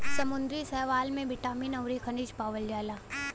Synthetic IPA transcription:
sɐmʊ̃nd̪ɾisɛɦʋaːlmẽʋɪʈaːmiːnɐʊɾikʰɐnid͡ʒpaːʋəld͡ʒaːlaː

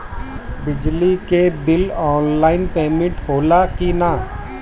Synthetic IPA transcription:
bɪd͡ʒlikebɪlɔːnlaːɪnpeːmɪ̃ʈɦoːlakina

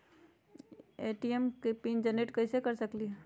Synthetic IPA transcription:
eːʈiemkepiːnd͡ʒəneʈkɐisekɐɾsɐkli

